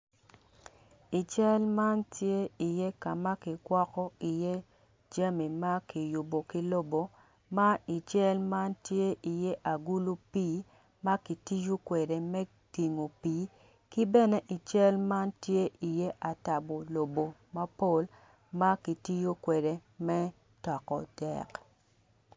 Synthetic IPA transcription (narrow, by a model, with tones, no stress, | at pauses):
i˨t͡ʃɛ˦lma˦ntje˦i˨je˦ka˨ma˦kɪ˨kwɔ˦kɔ˦i˨je˦ | d͡ʒa˦mi˨ma˦ki˨jʊ˨bo˨kɪ˦lo˦bo˨ | ma˦i˨t͡ʃɛ˦lma˦ntje˦ʔi˨je˦ʔa˨ɡu˦lu˦piː˦ | ma˦ki˨ti˦jo˦kwe˨de˨mɛ˦ | ti˨ŋo˨piː˨˦ | kɪ˦bɛ˦nɛ˦ʔi˨t͡ʃɛ˦lma˦ntje˦ʔi˨je˦ʔa˨ta˨bo˨lo˨bo˨ma˦po˦l | ma˦ki˨ti˦jo˦kwe˨de˨mɛ˦ | tɔ˨kɔ˨dɛ̰˨k